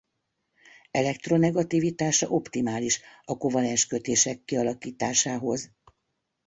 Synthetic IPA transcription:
ɛlɛk̚t̪ro̞nɛɡɒt̪iːvit̪aːʃɒ̰ʔo̞pt̪imaːliʃɒko̞vɒlɛnʃkø̞t̪eːʃɛkːiɒlɒkiːt̪aːʃaːɦo̞z

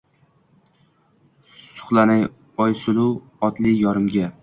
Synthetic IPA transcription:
sʊ̥χlˠanaj | ɒjsʊlu | ɒt̪lɪjɒɾɪmɡʲa

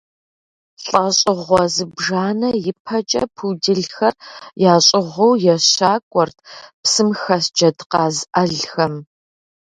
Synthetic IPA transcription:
ɬʼɐɕʼɪʁʷɔzɨbʐaːnɐjɪpʰɐt͡ʃʼɐ̰pʰudɨɮxɐrjaːɕʼɪʁʷɔwjɛɕaːkʷʼɔrtʰpsɨmxɐsd͡ʒɐdqɑːzʔɐɮxɐm

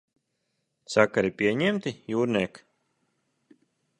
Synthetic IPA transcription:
sakaɾipʲiɛɲɛmt̪ʲijuːɾnʲɛːk

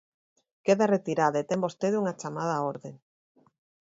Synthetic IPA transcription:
keðaret̪iɾaðaet̪embost̪eðuŋat͡ʃamað̞aoɾðeŋ

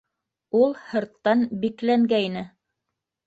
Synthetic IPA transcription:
ulˠhɤ̆ɾt̪ːɑnbiklæŋɡæinɘ

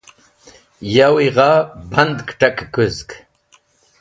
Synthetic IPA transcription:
jawiʁabɐnd̪kʈakkuzk

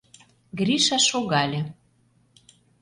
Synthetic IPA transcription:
ɡrʲiʃɑʃoɣɑlʲĕ

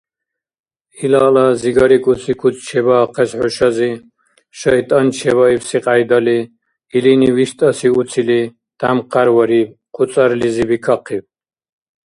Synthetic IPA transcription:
ilaːlaziɡaɾikʼusʰikʰut͡s̪ʰʼt͡ʃʰɛbaːqʰɛsħɔʃazi | ʃajt̪ʼant͡ʃʰɛβaiwsiqʼajd̪aliː | liniwiʃt̪ʼasiut͡sʰili | d̪̥amqʰaɾwaɾiqʰut͡s̪ʼaɾlizibikʰaqʰib

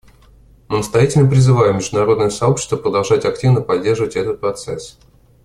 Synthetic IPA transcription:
mɨnəst̪ɐjatʲɪlʲnəp̬ɾʲɪzɨvajɪmːʲɪʐd̪ʊnɐɾo̞d̪nəjəsɐo̞pɕɪ̥st̪vəpɾəd̪ɐlˠʐatʲɐktʲivnəpɐdʲːe̞rʐəvətʲɛt̪ət̪̚pɾɐt̪sɛs

